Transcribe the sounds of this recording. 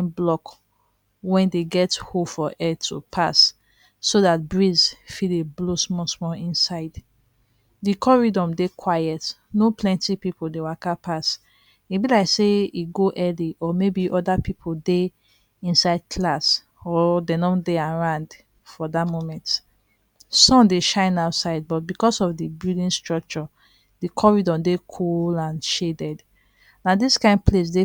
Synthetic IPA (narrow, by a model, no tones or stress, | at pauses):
nblɔk | wɛ̃ndeɡɛthofɔʔɛtʰṵpʰasː | oðat̚bɹizfieblosmɔsmɔlĩnsaɪd | dikʰɔɹidɔ̃mdekʰwajɛt | nopʰlɛ̃ntipipoldewakapʰas | ibilaɪkseiɡoʔɛliʔɔmebiʔɔdapipʰode | ĩnsaɪd̚kʰlas | ɔdɛnɔ̃deãɹãnd | fɔdatmomɛ̃nt | sɔ̃mdeʃãɪ̃naʊtsaɪd̚bɔt̚bikɔsɔfdibɹidĩnstɹɔk̚t͡ʃɔ | dikʰɔɹidɔ̃mdekʰullãnʃedɛd | nadiskãɪ̃nd̚pʰles̬de